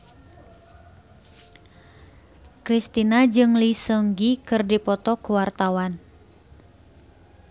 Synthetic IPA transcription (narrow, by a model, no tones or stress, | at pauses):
kɾist̪inad͡ʒɨŋlisəŋɡikɨrdipɔt̪ɔkuwart̪awan